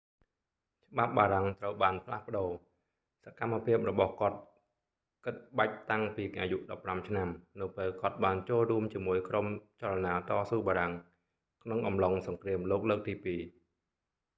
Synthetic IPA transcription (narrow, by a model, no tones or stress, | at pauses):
t͡ɕə̆ɓap̚ɓaːɾaŋt̪rəwɓaːnpʰlahpə̆ɗoː | sakamːapʰiəp̚rɔɓɑhkŏət̪̚ | kɨt̪̚ɓac̚t̪aŋpiːʔaːjuʔɗɑpːramt͡ɕʰnamnɨwpeːlkŏət̪̚ɓaːnt͡ɕoːlruəmt͡ɕiəmuəjkromt͡ɕalanaːt̪ɑːsuːɓaːɾaŋ | kʰnoŋʔɑmloŋsɑŋkriəmloːk̚ləːk̚t̪iːpiː